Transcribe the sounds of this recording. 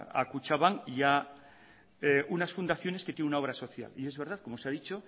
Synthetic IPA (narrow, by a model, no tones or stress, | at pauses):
a̰kut͡ʃaβaŋʝa | ʔunasfund̪aθjo̞neskejenunaoβɾaso̞θja̰lie̞zβe̞ɾð̞aðko̞mo̞seaðit͡ʃo̞